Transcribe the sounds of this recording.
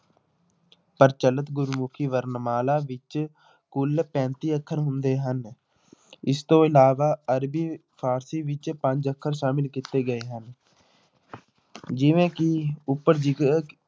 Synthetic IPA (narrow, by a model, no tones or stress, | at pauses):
pəɾt͡ʃələt̪ɡʊɾmʊkʰiːʋəɾnmaːlaːʋɪt͡ʃ | kʊlpɛ̃ːnt̪iːəkʰːəɾɦʊnd̪eːɦən | ɪst̪õːɪlaːʋaːəɾbiːpʰaːɾsiːʋɪt͡ʃpə̃ɲd͡ʒəkʰːəɾʃaːmɪlkɪt̪eːɡəeːɦən | d͡ʒɪʋẽːkɪʊpːəɾd͡ʒik